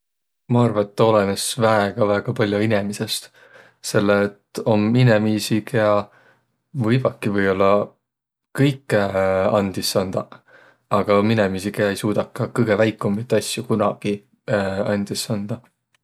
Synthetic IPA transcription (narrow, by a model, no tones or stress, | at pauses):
mɑɑrvɑet̪ːo̞lenesvæeɡ̥ɑvæːɡ̥ɑpɑlʲjuine̞mise̞st̪ | se̞lːeːt̪ːˑo̞minemiːsikeɑ | vɯjb̥ɑkːivɤjo̞lːɑ | kɤjkːˑeɑnd̪̥isɑnd̪̥ɑ | ɑɡ̥ɑomːinemiːsikeɑe̞jsuːd̪̥ɑkˑːɑkɤjɡ̥e̞væjkːˑumːit̪ːɑsʲjukunɑɡ̥i | ɑ̰nʲd̪̥isɑnd̪̥ɑ